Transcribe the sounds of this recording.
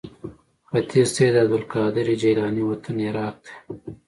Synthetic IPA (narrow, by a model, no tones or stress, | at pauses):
xɐt̪ʰiɾseːd̪ɐd̪ulkɑːd̪ɪɾid͡ʒɐjlaːniwɐt̪ʰɐnjɐɾɑːk̚d̪e̥ː